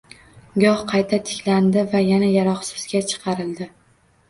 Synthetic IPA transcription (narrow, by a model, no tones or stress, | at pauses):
ɡɒhqʰɑjt̪ʰat̪ʰɪ̥kʲʰland̪ɪvajanajaɾɒχsɪzɡʲat͡ʃʰɨ̥qʰɑɾɪld̪ɪ